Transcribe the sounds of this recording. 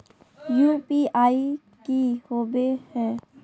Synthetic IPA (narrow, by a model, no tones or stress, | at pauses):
jupiaːi | kihobehɛ̃ː